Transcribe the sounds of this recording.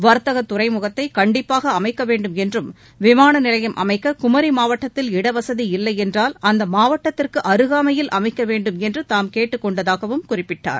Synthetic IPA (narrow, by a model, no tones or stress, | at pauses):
ʋɐɾt̪ɐɣɐt̪ːʊrɐɪmʊɣɐt̪ːɐɪkɐɳɖɪpːaːɣɐːmɐɪkːɐʋeːɳɖɯmɛndrɯm | ʋɪmaːnɐnɪlɐjɐmʔɐ̰mɐɪkːɐkʊmɐɾimaːʋɐʈːɐt̪ːɪlɪɽɐʋɐsɐðiɪlːɐɪɛndraːlɐnd̪ɐmaːʋɐʈːɐt̪ːɪrkɯʔɐɾɯɣaːmɐjɪlʔɐ̰mɐɪkːɐʋeːɳɖɯmɛndrɯt̪aːmkeːʈːɯkːɔɳɖɐðaːɣɐʋɯmkʊrɪpːɪʈːa̰ːɾ